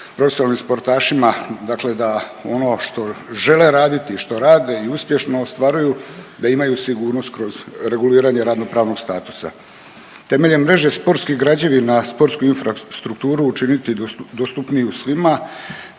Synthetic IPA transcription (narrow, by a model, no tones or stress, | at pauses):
pɾo̞fesialnimspo̞ɾt̪aːʃimad̪akle̞d̪ao̞no̞ʃt̪o̞ʒe̞le̞ɾaːd̪it̪iʃt̪o̞ɾaːd̪e̞iuspje̞ʃno̞ːst̪ʋaːɾujud̪aimajusiɡuːɾno̞st̪kɾo̞zɾe̞ɡuliːɾaɲe̞ɾad̪no̞pɾaːʋno̞ɡst̪aːt̪u̥sa̰ | t̪e̞me̞ʎe̞nmɾe̞ʒespo̞ɾt̪skiɡɾad͡ʑeʋinaspo̞ɾt̪skuinfɾast̪ɾukt̪uːɾuːt͡ʃinit̪id̪ost̪upniusʋima